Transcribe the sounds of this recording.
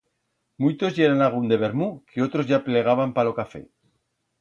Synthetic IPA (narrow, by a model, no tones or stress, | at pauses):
mujt̪o̞zʝeɾanaɣ̞und̪e̞β̞e̞ɾmukʰeo̞t̪ɾo̞zʝaple̞ɣ̞aβampalo̞kafe̞̰